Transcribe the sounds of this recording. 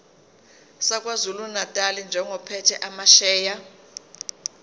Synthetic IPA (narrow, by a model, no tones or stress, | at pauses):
sak̬ʼwazulunatʼalind͡ʒʱɛŋʱɔpʰɛtʰɛʔamaʃɛːja